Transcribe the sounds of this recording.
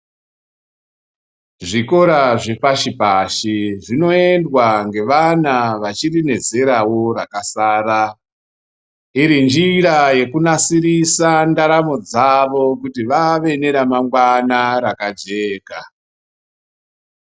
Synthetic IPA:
ʐiko̞ɾaʐe̞paʃipaʃiʐino̞e̞ndwaŋɡe̞ʋanaʋat͡ʃirine̞d͡ze̞ɾawo̞ɾakasaːɾa | iɾind͡ʒiraje̞kunasiɾisandaɾamo̞d͡zaʋo̞kutiʋaʋe̞ne̞ɾamaŋɡwanaɾakad͡ʒe̞ːka

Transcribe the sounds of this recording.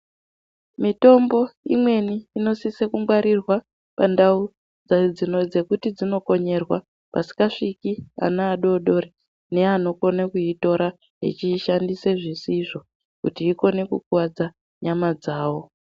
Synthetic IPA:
mito̞mbo̞imwe̞niːno̞sisekuŋɡwaɾirwa | pandau | d͡zad͡zinod͡ze̞kutid͡zino̞ko̞ɲe̞rwa | pa̰si̥kaʂikia̰naːɗo̞ːɗo̞ɾe | ne̞ano̞ko̞nekuito̞ɾa | ɦḛt͡ʃiʃandise̞ʐisiʐo̞ | kutiːko̞ne̞kukwad͡za | ɲamad͡zaːwo̞

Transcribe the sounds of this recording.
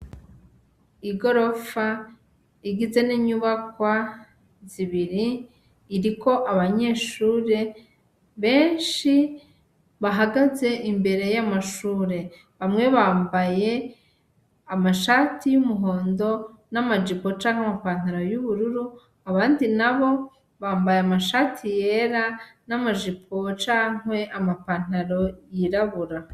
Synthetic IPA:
iɡo̞ɾo̞fa | iɡize̞niɲuβakwa | ziβiɾiː | ɾiko̞ʔaβaɲe̞ːʃuːɾe̞ | βe̞ːnʃi | βaɦaɡaze̞ʔimbe̞ɾe̞jamaʃuːɾe̞ | βamŋe̞βaːmbaje̞ | amaʃatijumuɦo̞ːndo̞namad͡ʒipot͡ʃaːŋhwamapan̥aɾo̞juβuɾuɾu | aβaːndinaβo̞ | βaːmbajamaʃatʰije̞ɾanamaʒipʰot͡ʃaːŋ̥we̞ʔamapan̥aɾo̞jiɾaβuɾa

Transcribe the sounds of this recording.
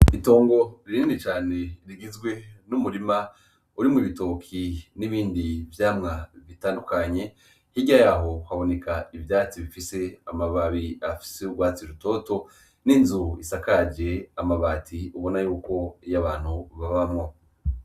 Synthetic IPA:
ito̞ːŋɡo̞ɾiɾiːnit͡ʃaːne̞ɾiɡizɡwe̞numuɾima | uɾimuβito̞kʰiniβiːndivjaːmŋaβitaːndukaɲe̞ | hiɟajaːɦo̞haβo̞ne̞kʰaivjaːt͡siβifise̞amaβaβiafi̥seuɡwaːt͡siɾuto̞ːto̞ | ninzuisakad͡ʒe̞amaβatʰiuβo̞najuːko̞jaβaːn̥huβaβamŋo̞

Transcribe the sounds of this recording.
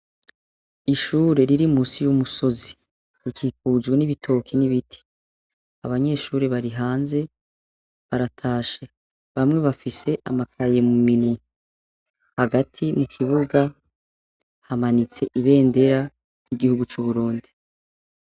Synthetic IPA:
iʃuːɾe̞ɾiɾimuːsijumuso̞zi̥ | ɾikʰiːkuːd͡ʒɡweniβitʰo̞ːkʰiniβitʰi̥ | aβaɲe̞ːʃuːɾeβaɾiɦaːnze̞ | βaɾatʰaːʃe | βamŋe̞βafise̞ʔamakʰaje̞muminu | haɡatʰimukʰiβuɡa | hamanit͡se̞ʔiβe̞ːnde̞ɾa | jɲ̥iɡihuɡut͡ʃuβuɾuːndi̥

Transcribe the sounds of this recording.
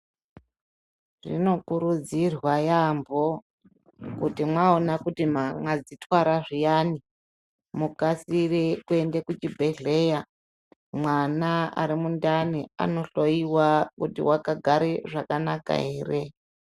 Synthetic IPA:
ʐḭno̞kuɾud͡zirwajambʱo̞ | kutimwaonakutimamwad͡zitwaɾaʐijani | mukasirekue̞ndekut͡ʃibʱe̞ɮe̞ja | mwanaa̰ɾimundania̰no̞ɬo̞jiwakutḭwakaɡʱaɾeʐakanaka̰ɦeːre

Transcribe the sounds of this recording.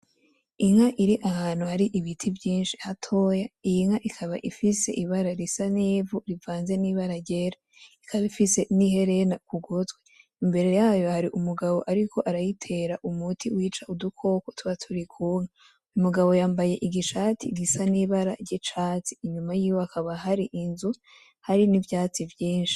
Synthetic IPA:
iŋ̥haʔiɾiʔahaːn̥huhaɾiʔiβitʰivjiːnʃi̥hatʰo̞jaijŋaʔikʰaβa̰ʔifise̞̰ʔiβaɾaɾisaneːvuɾivaːnze̞niːβaɾaɾɟeːɾa | ikʰaβaifise̞nihe̞ɾe̞nakuɡotɡwe | imbe̞ɾe̞jaːjo̞haɾiʔumuɡaβo̞ʔaɾikʰo̞ʔaɾajitʰe̞ɾaʔumutʰiwiːt͡ʃaʔudukʰo̞ko̞tʰuβatʰuɾikʰuːŋa | umuɡaβo̞jaːmbaje̞ʔiɡiʃaːtiɡisaniβaɾaɾɟet͡ʃaːt͡si̥ːɲumajiːjoakʰaβaɦaɾiʔinzu | haɾinivjaːt͡sivjiːnʃi̥

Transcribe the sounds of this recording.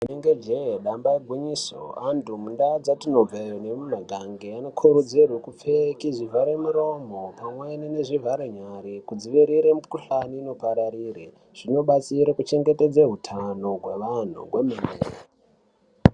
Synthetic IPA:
muneŋɡed͡ʒeɗambaeɡʱwiɲiso̰andumundad͡zatino̞b͡vajonemumaɡʱaŋɡeanokʰuɾud͡zirwekup͡fekiʐivʱaɾemuɾo̞mo̞pamwenene̞ʐivʱaɾeɲaɾikud͡ziʋiɾiɾemukuɬaniːno̞paɾaɾiːre | ʐ̥ino̞ɓat͡siɾakut͡ʃe̞ŋɡeted͡zeɦutʰano̞ɦwe̞ʋan̤ṵɦwememeːre

